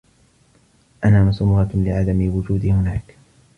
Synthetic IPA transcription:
ʔanaːmʊsʊmʊɣɑlɪʕad̪amɪwʊd͡ʒuːd̪ihʊnaːk

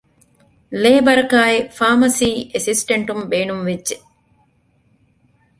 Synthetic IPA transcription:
lebɐɾɐkaːefaːmɐsiːʔesisʈeɳʈumbeːnumʋedʒe

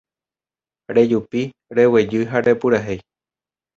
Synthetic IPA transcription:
ɾe̞d͡ʒupi | ɾe̞wed͡ʒɨɦaɾe̞puɾaɦej

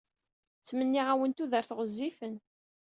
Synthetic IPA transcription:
t͡sːmənːiʁæwənt̪uðəɾθʁəzːifən

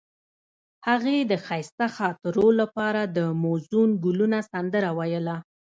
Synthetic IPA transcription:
haɣed̪əxajst̪axɑt̪ɪɾolapɑɾad̪əmozunɡulunasand̪əɾawajəla

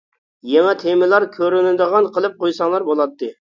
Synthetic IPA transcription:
jɛŋɛt̪ʰemɪlˠɑɾkʲʰøɾynɪd̪əʁɑnqʰəlˠɨp̚qojsɑŋlˠɑɾbolˠɑt̪ʰːɨ

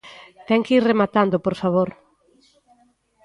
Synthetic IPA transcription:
t̪ɛŋkiɾremat̪and̪opoɾfaβoɾ

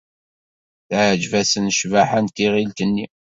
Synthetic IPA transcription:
θʕd͡ʒvæsənʃvaħænt̪iʁilt̪ənːi

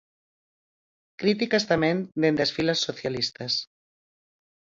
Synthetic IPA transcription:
kɾit̪ikast̪amend̪end̪esfilasːoθjalist̪as

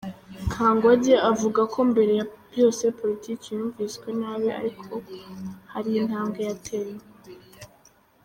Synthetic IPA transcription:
ŋkʰaːŋɡwaɟeavuɡakʰo̞mbe̞ɾe̞jabjo̞ːse̞po̞litʰiːkijuːɱviːsɡwenaːβeʔa̰ɾikʰo̞haɾiinhaːŋɡojatʰeɾe

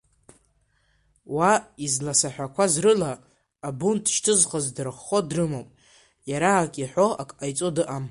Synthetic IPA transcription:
waizlasaħʷᶣakʷʰazrɨlaː | buntʼʃtʰɨzχazdɨrχːo̞drɨmopʼ | jaɾaːkʲʼiħʷo̞akʼajt͡sʼodɨʔam

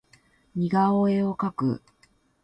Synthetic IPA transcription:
ɲʲiɡaoe̞o̞kakɯ̰

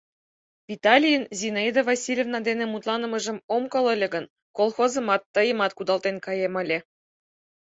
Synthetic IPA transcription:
vʲit̪ɑlʲijənzʲinɑid̪ovɑsʲilʲevnɑd̪enĕmut̪lˠɑnə̆mɤ̆ʒə̆momkɤ̆lɤ̆lʲĕɡə̆n | kolˠxozɤ̆mɑt̪ːɤjə̆mɑt̪̚kud̪ɑlt̪enkɑjemɑ̆lʲe

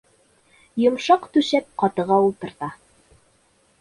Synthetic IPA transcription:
jŏmʃɑqt̪ʉʃæp̚qɑt̪ɤ̆ʁɑulˠt̪ɤ̆ɾt̪ɑ

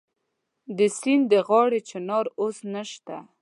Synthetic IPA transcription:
d̪əsind̪əɣɑɽet͡ʃɪnɑɾosnəʃt̪a

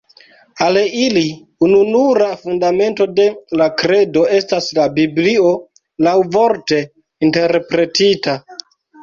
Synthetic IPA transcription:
alili | ununuɾafundame̞nto̞de̞lakɾe̞do̞e̞staslabiblio̞ | lawvo̞ɾte̞ | inte̞ɾpɾe̞tita

